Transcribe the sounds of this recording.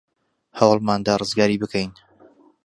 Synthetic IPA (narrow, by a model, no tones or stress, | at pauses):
hawɑlˠmaːnd̪aːrɨzɡaːɾiːbɨkʰejn